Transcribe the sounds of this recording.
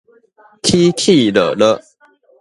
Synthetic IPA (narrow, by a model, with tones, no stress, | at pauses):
kʰi˦kʰi˥˨lə̰˨lə˦